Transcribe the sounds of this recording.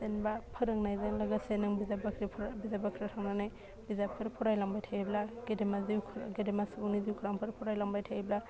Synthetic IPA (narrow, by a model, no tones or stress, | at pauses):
enbapʰɯɾɯŋnajzaŋlaɡasenaŋbizabakʰɾipʰɾbizabakʰɾitʰaŋnanaj | bizapʰɯɾpʰɔɾajlaŋbajtʰajiblaɡ̥edemazikʰɡedemasbuniziwkʰɾaŋpʰɯɾpʰɔɾajlaŋbajtʰaibla